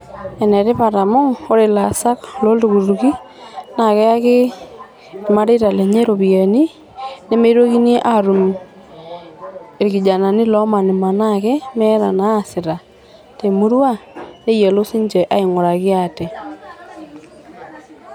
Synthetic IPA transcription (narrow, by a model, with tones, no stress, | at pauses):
ɛ˨nɛ˨ɾe˦pa˨ɾa˨mo˦ŋo˦ɾe˨la˨sa˦klo˦ldu˨ku˨ɾu˨ki˦ | na˨kɛ˦a˦ke˦˨ | ma˦ɾe˦ɾa˨lɛ˨ɲe˦ɾo˨βi˨e˨ni˦ | ne˦me˦ɾwo˦ki˦ne˦ʔa˦ɾu˨m | e˨ɾki˨d͡ʒa˨na˨ni˦lɔ˦ma˨ni˨ma˨na˦kɛ˦mɛ˦ɾa˨na˨˦˨sɪ˨ɾa˨ | te˨mu˦ɾwa˦ne˦jɛ˨lo˦si˦ɲd͡ʒɛ˨ʔa˦i˨ŋo˨ɾa˨kɪ˦a˨tɛ˨